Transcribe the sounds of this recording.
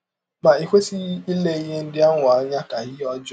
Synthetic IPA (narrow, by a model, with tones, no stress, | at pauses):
ma˨i˨kʷe˦si˦i˦le˦i˦ɦe˦n̩˦dɪ˦a˦ŋʊ˨a˨˦ɲa˦ka˨ɦɪ˦ɔ˦d͡ʒʊ˦